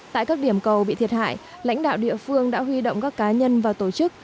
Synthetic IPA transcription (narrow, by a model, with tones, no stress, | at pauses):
ta̰ː˧˨jkaː˦˥k̚ɗi˧˩əmkə˨˩wɓḭ˧˨t̪ʰi˨˩ət̚ha̰ː˧˨j | la̰˧˥jŋ̟ɗa̰ː˧˨wɗḭ˧˨əfɨ˧əŋɗa̰ː˧˥ɦwi˧ɗo̰˧˨wŋ͡mkaː˦˥kːaː˨˦ɲə˧nvaː˨˩t̪o˧˩t͡ɕɨ˦˥k̚